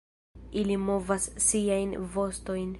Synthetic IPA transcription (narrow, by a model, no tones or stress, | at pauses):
ilimo̞vasːiajnvo̞sto̞jn